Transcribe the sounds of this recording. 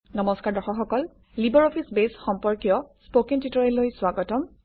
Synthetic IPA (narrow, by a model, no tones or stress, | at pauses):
nɔmɔskaɹdɔxɔxɔkɔl | libɔɹɔpʰisbesxɔmpɔɹkijɔspokintitɔɹelojswaɡɔtɔm